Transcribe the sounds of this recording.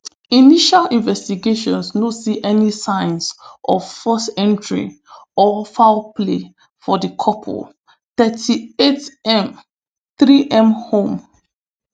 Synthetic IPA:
iniʃalĩnvɛstiɡeʃɔ̃nsnosiʔɛnisãɪ̃nsʔɔvfɔstɛ̃ntʰɹḭ | ɔfaʊple | fɔdəkʰɔpʰɔ̰l | θɛtʰietɛ̃m | θɹiʔɛ̃mhõm

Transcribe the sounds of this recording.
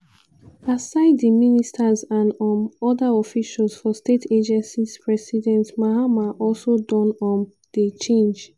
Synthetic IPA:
asaɪddiministʰazãnɔ̃mɔdaɔfiʃalzfɔstetʰed͡ʒɛ̃nsiz̥pʰɹɛsidɛ̃ntmahamaʔɔlˠsodɔ̃nɔ̃n | d̥it͡ʃẽnd͡ʒ

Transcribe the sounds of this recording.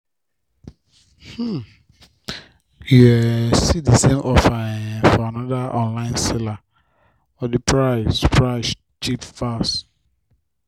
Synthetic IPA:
h̩ | juɛsidəsẽmʔɔfaɛfɔanɔdaʔɔ̃nlãɪ̃nsɛla | ɔdipʰɹaɪspʰɹaɪs | t͡ʃipfas

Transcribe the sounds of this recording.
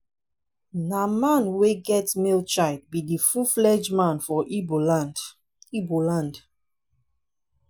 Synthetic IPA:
namãnweɡɛtmilt͡ʃaɪd̚bidifuflɛd͡ʒmãnfɔʔiboland | ibolãnd

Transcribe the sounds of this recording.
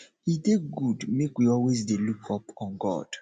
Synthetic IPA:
hideɡudmekwiɔlwezdelukʰɔpʰɔ̃nɡɔ̰d̥

